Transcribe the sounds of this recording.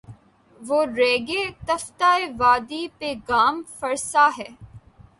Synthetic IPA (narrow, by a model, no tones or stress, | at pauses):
ʋoːɾeːɡet̪ɐft̪aːeʋaːd̪ipeɡaːmfɐɾsaɦɛː